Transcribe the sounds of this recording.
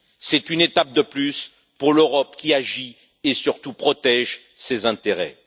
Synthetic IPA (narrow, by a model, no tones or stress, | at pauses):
sɛt̪ynet̪ap̚d̪əplys | puʁløʁɔpkʲiaʒi | esyʁt̪upχɔt̪ɛʒ | sezɛ̃t̪eʁɛ̰